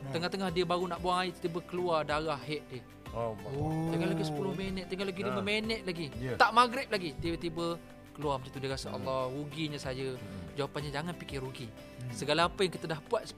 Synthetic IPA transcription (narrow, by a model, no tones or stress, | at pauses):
t̪əŋaht̪əŋahdiəbaɾunaʔbuaŋait̪ibəkəluadaɾahːɛʔ̪̚dɪh | t̪əɡalaɡisə̥pulʊhmenɛt̪̚t̪əŋalaɡidiməmenəʔ̪̚laɡit̪aʔmaɡɾɪp̪̚laɡit̪ibət̪ibə | kəluaməd͡ʒit̪udiəkasəʔɑ̰lːɔɾuɡiɲasajəd͡ʒawapanɲad͡ʒaŋanpikɪruɡi | səɡalaːpəjaŋkit̪ədahbuat̪̚s